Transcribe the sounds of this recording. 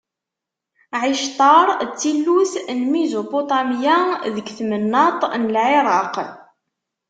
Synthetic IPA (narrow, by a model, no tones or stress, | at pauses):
ʕɪʃt̪ˤɑɾˤt͡sːilːusnmizopot̪ˤɑmjaðəɡθmənːɑt̪ˤnəlʕeɾˤɑq